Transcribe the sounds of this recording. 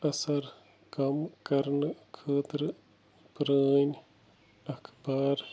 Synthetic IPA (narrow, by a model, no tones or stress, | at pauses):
ɐsɐɾ | kɐmkɐɾnɨkʰət̪ɾɨ | pɾənʲ | ɐkʰbaɾ